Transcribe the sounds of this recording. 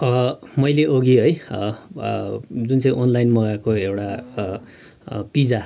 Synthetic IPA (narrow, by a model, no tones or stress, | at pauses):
ʌmʌjleʔoɡiɦʌj | d͡zunt͡sʌĩʔonlajnmʌɡakoewʈa | pid͡za